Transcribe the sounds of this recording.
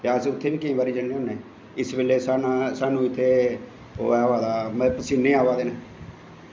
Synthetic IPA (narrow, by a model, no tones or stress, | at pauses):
jaːsʊt̪ʰːeːʋiːkɪĩːbaːɾiːd͡ʒənːeːoːneː | ɪsbɪlːeːsaːnasaːnũːɪt̪ʰːeː | o̰ːɛːʋaːd̪aːmɛpəsiːnːeːaːʋaːd̪eːneː